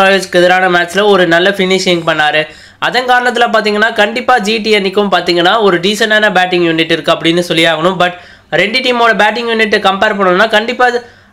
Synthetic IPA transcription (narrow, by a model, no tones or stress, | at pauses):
aːjed͡ʒkɛðɐɾaːnɐmaːt͡ʃɪlɐɔɾɯnɐlːɐfɪnɪʂɪŋɡ̚pɐɳːaːɾɯ | ɐðɐnkaːɾɐɳɐt̪ːɪlãp̬aːɾt̪̬iːŋɡɐnːaːkɐɳɖɪpːaːd͡ʒiːʈ̬iɛnːɪkːɯmpaːɾt̪iːŋɡɐnːaːɔɾɯɖiːsɐnɖaːnɐbaːʈ̬ːɪŋjuːnɪʈːɪɾɯkːɯɐpːɐɽɪnːɯsɔlːɪjaːɣɐɳɯ̃mbɐʈ | ɾɛɳɖɯʈiːmoːɽɐbaːʈ̬ːɪŋɡjuːnɪʈːkɐmpeːɾpɐɳːɐnɯnːaːkɐɳɖɪpːaː